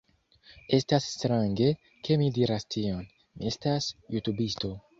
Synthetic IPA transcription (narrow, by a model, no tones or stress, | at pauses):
est̪asːt̪ɾaŋɡe̞ | kʰe̞mid̪iɾast̪ʰion | miest̪asjut̪ubist̪o